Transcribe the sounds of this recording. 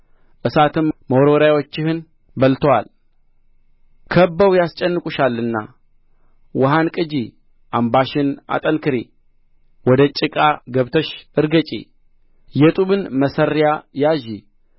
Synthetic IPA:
ʔɨsat̪ʰɨmməwɾoɾawot͡ʃːɪhɨn | bəlt̪ʰwa̰l | kʰəbːəwjast͡ʃʼɛnːɨkʼuʃalːɨnːa̰ | wəɦankʼɨd͡ʒi | ʔambaʃɪna̰t̪ʼənkʰɨɾe | wɔd̪ət͡ʃʼɪkʼaɡəβt̪ʰəʃʔɨɾɡət͡ʃʼḛ | jɛt̪ʼuβɨnməsəɾːjajaʒi

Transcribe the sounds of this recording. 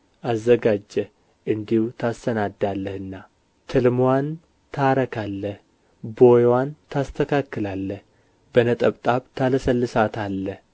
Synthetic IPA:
ʔazːəɡad͡ʒːɛ | ʔɨnd̪ihut̪ʰast̪ənad̪ːalːəhɨnːa | t̪ʰɨlmwan | t̪ʰaɾəkʰalːəh | bojwant̪ʰast̪ʰəkʰakːɨlalːəh | bənət̪ʼəβt̪ʼaβt̪ʰaləsəlːɨsat̪ʰalːəh

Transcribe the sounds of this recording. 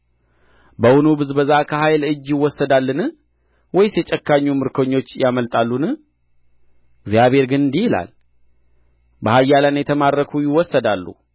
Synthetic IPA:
bəwunubɨzbəzakʰəhajlɨd͡ʒːjɪwːɔsːəd̪alːɨnɨ | wɔjsjɛt͡ʃʼɛkːaɲːumɨɾkʰoɲːo̞t͡ʃːjaməlt̪ʼalːunɨ | ɡzjaβe̞ɾɡɨnɨnd̪ihɪla̰l | bəhajːalanjɛt̪ʰəmaɾːəkʰujɪwɔsːəd̪alːṵ

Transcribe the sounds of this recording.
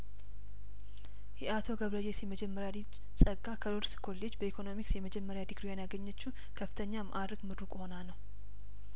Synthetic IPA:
jɛat̪ʰo̞ɡəβləd͡ʒesjɛməd͡ʒɛmːəɾjad̪i | sʼəɡʼːakʰəɾoɾskʰo̞lːed͡ʒbəikʰo̞no̞miksjɛməd͡ʒɛmːəɾjad̪iɡɾujanjaɡəɲːət͡ʃːu | kʰəfːɨt̪ʰəɲːamʔaɾɨkmɨɾukʼho̞nanəw

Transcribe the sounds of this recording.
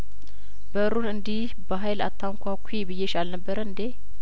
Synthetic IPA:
bəɨɾunɨnd̪ih | bəɦajla̰t̪ʰːaŋkʷʰakʷʰuebɨjːeʃalnəbːəɾəɨnd̪e

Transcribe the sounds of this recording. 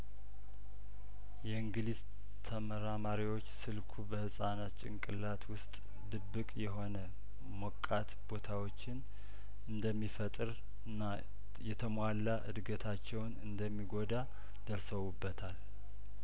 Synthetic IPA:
jɛɨŋɡɨliz | t̪ʰəməɾamaɾiwo̞t͡ʃːsɨlkʰubəhɨsʼanat̪t͡ʃʼɪ̰ŋkʼɨlat̪wʊst̪ʼ | d̪ɨbːɨkʼjɛɦo̞nə | mokʼːat̪bo̞t̪ʰawo̞t͡ʃːɪn | ɨnd̪əmːifət̪ʼɨɾ | nːa | jɛt̪ʰəmʷalːaʔɨ̰d̪ɡət̪ʰat͡ʃːɛwnɨnd̪əmːiɡo̞d̪a | d̪̥əɾsəwubːət̪ʰal

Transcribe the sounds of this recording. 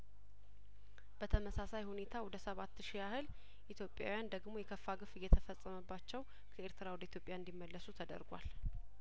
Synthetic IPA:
b̥ət̪ʰəməsasajhune̞t̪ʰawɔd̪əsəβat̪ːʃijahɨl | ʔit̪ʰjo̞pʼja̰wjand̪əɡmo̞jɛkʰəfːaɡɨfɨjːɛt̪ʰəfəsʼːəməbːat͡ʃːɛw | kʰəe̞ɾt̪ʰɨɾawɔd̪əit̪jo̞pʼjaɨnd̪imːəlːəsut̪ʰəd̪ə̰ɾɡʷa̰l

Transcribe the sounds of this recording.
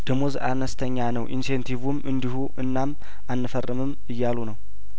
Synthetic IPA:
d̪̥əmozʔanəst̪ʰəɲːanəwʔinsent̪ʰivumʔɨnd̪ihuʔɨnːam | ʔanːɨfərːɨmɨm | ɨjːalunəw

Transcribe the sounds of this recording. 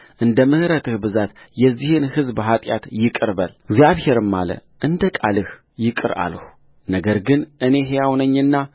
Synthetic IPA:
ʔɨnd̪əmɨhɾət̪ɨhbɨzat̪ | jɛzːihɨnhɨzbɦat̪ʼjat̪jɪkʼɨɾbəlɡzijaβhe̞ɾɨmːa̰lə̰ | ʔɨnd̪əkʼalɨh | jɪkʼɨɾa̰lhu | nəɡəɾɡɨnʔɨne̞ɦejawnəɲːɨnːa

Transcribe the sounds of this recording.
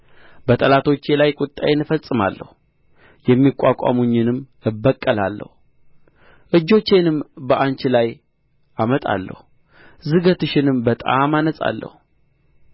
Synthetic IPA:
bət̪ʼəlat̪ʰo̞t͡ʃːelajkʼʊt̪ʼːajenɨfəsʼːɨma̰lːə̰hu | jɛmːikʼːakʼa̰muɲːɪnɨm | ɨbːəkʼːəlalːə̰hu | ʔɨd͡ʒːo̞t͡ʃːe̞nɨmbəʔant͡ʃɪlaj | ʔamət̪ʼa̰lːə̰hu | zɨɡət̪ɨʃɪnɨmbət̪ʼa̰manəsʼa̰lːə̰hu

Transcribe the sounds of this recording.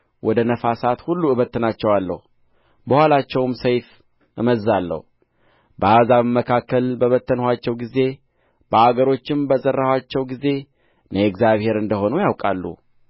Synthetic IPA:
wʔɔd̪ənəfasat̪hulːuɨβət̪ːɨnat͡ʃːɛwalːə̰hu | bəhalat͡ʃːɛwmsəjf | ʔɨməzːalːə̰hu | bəazaβmːəkʰakːəlbəβət̪ʰːənhʷat͡ʃːɛwɡize̞ | b̥əaɡəɾo̞t͡ʃːɪmbəzərːəhwat͡ʃːɛwɡize̞ | nəɛkzjaβhe̞ɾɨnd̪əho̞nujawkʼalːṵ

